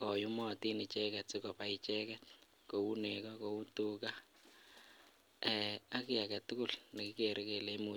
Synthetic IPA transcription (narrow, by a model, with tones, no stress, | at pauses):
kɔ˨ju˦mɔ˨ti˦nɪ˨t͡ʃɛkɛ˨tsɪ˨kɔ˨pa˨i˨t͡ʃɛ˦kɛ˦t | ko˨u˦nekɔ˦ko˨u˦tuka˦ | ɛa˦kɪ˦ja˨ka˨tu˦ku˦˨lna˨kɪke˨ɾe˦ke˨le˦mu˨